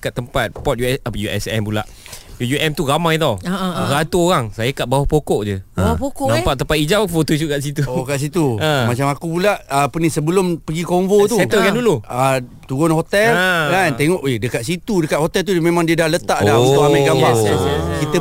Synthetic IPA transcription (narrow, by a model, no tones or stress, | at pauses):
kat̪ːəmpat̪̚pɔt̪̚jujuʔɛ̰sɛ̰mpula̰ʔjujuʔɛmt̪uɣamãjt̪awɾat̪uoɣaŋsajakaʔ̚bawahpokɔʔd͡ʒəawapokonampaʔt̪ːəmpat̪̚id͡ʒawfot̪us̬uʔkaʔs̬it̪uokaʔs̬it̪uə̃mãt͡ʃamakupulaʔəpənisəbəlʊmpəɡikomvot̪uat̪əkanduluə | t̪uɡɔnhot̪ɛləkant̪eŋɔʔedəkaʔ̪̚sit̪udəkat̪̚hot̪ɛlt̪̬umemãŋdiədahlət̪aʔdaut̪uʔamaɡabakit̪ə